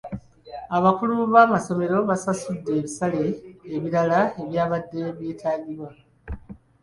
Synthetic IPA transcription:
aβakuluβaːmaso̞me̞ɾo̞βasasudːe̞ːβisaleːβiɾalae̞βjaːβadːe̞βjeːtʰaːɡiɾwa

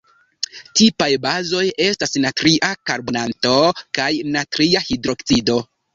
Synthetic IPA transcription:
tipajbazo̞je̞stasnatɾiʔakaɾbo̞nanto̞kajnatɾiahidɾo̞kt͡sido̞

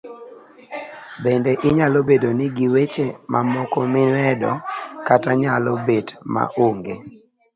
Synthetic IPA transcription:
bendeʔɪɲalobedonɪɡiwet͡ʃemʔa̰mɔkɔmɪnwɛdɔ̰kataɲalobetma̰ʔoŋɡe

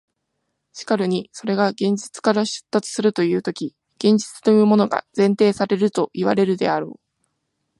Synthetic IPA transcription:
ɕi̥kaɾɯ̟ɲ̟iso̞ɾe̞ɡaɡẽ̞ɲ̟d͡ʑit͡sɨ̥kaɾaɕɨ̥t̪ːat͡sɨ̥sɨɾɯt̪o̞jɯ̟ːt̪o̞kʲi | ɡ̥ẽ̞ɲ̟d͡ʑi̥t͡sɨ̥t̪o̞jɯ̟ːmo̞no̞ɡa̰zẽ̞nt̪e̞ːsaɾe̞ɾɯ̟t̪o̞ʔiβa̰ɾe̞ɾɯ̟d̪e̞̰aɾo̞̰ː

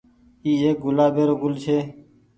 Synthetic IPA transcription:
iːeːk̚ɡʊlaːbeːɾoːɡʊlt͡ʃʰeː

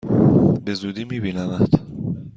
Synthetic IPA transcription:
bezud̪iːmibinamat̪

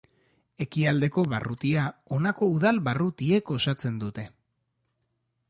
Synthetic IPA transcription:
e̞kiald̪e̞ko̞βa̰rʔut̪iao̞nako̞uðalβarut̪ie̞ko̞sat͡se̞nd̪ut̪e̞

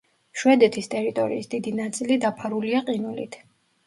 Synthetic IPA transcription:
ʃwɛd̪ɛt̪ʰist̪ʼɛɾit̪ʼɔɾḭːsd̪id̪inat̪sʼilid̪apʰaɾuliaqʼinulḭt̪ʰ

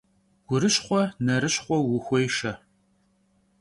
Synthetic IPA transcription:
ɡ̥ʷʊɾɨɕχʷɔnɐɾɨɕχʷɔwʊxʷɔjʃɐ

